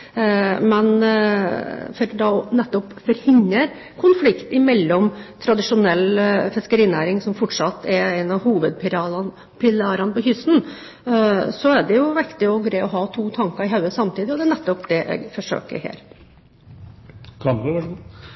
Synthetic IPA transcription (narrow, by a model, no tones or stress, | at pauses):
mɛn | fɔɾd̪ɑnɛt̪ːɔpfɔɾhɪɲːəɾ | kʰʊnflɪkt̪ɪmɛlːɔmt̪ʰɾɑd̪ɪʂʊnɛlːfɪskəɾiːnæːɾɪŋsɔmfɔʈʂɑt̪ːɛɛɪnɑʋhuːʋəd̪̚pʰɪɑ | pʰɪlɑːɾɑnəpɔçʏst̪n̩ | sɔæɖɛjʊʋɪkt̪ɪɔɡɾæɪɔɦɑːt̪ʰuːt̪ʰɑŋkəɾɪɦɑʉəsɑmt̪iːd̪ɪɔd̪ɛænɛt̪ːɔpd̪ɛʔɛ̰ɡfɔʂø̰ːkə̰ɾhḛːɾ | kʰɑmpʋʂ